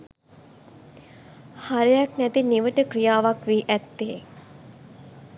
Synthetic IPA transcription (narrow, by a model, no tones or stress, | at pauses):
haɾejaknæt̪iniʋəʈəkɾijaːʋakʋiːʔæt̪ːeː